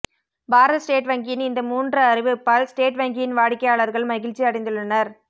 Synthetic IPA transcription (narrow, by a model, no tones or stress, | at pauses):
baːɾɐðɐsʈeːʈʋɐŋɡɪjɪnɪnd̪ɐmuːndrɐɐɾɪʋɯpːaːlsʈeːʈʋɐŋɡɪjɪnʋaːɽɪkːɐjaːɭɐɾɣɐɭmɐɣɪɻt͡ʃːiɐɽɐɪnd̪ɯɭːɐnɐɾ